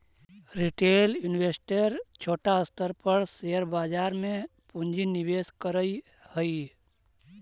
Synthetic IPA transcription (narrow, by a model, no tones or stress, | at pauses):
ɾiʈeːljunʋeːsʈeɾt͡ʃʰoːʈaəst̪əɾpəɾseəɾbaːd͡ʒaːɾmẽpũnd͡ʒinibeːskəɾəi | həi